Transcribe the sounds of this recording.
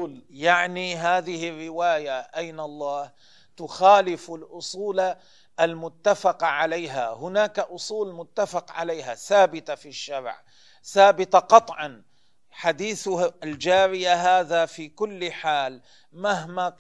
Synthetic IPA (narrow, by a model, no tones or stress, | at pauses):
ljaʕniɦaːðɪhɪrːɪwaːjaʔajnalˤːɑːh | t̪ʊxaːlɪfalʔʊsˤuːla | ʔalmʊt̪ːafɑqʕalajɦahʊnaːkaʔʊsˤuːlmʊt̪ːafɑqʕa̰lajɦaθaːbɪt̪afiʃːaɾʕ | θaːbɪt̪aqɑt̪ˤʕɑn | ħad̪iːθald͡ʒaːɾɪjaɦaːðafiːkʊlːħaːl | maɦma